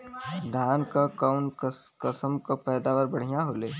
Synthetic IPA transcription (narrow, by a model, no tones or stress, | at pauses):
d̪ʱaːnkakaʊnkɐsəmkapɛːd̪aːʋəɾbɐɽ̤ijaɦoleː